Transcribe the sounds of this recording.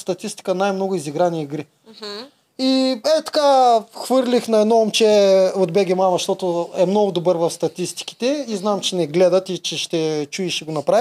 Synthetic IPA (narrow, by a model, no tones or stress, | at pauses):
st̪ɐt̪ist̪i̥kənajmnɔɡʊiziɡɾaniiɡɾi | iɛt̪ɐ̥kaxvɤɾlʲixnɐɛd̪nɔomt͡ʃɛod̪bɛɡʲɛmamɐʃt̪ɔt̪ʊɛmnɔɡʊd̪obɤɾvɐfst̪ɐt̪ist̪i̥ki̥t̪ɛiznamt͡ʃɛnɛɡlɛd̪ət̪it͡ʃɛʃt̪ɛt͡ʃuɛʃiɡonɐpɾai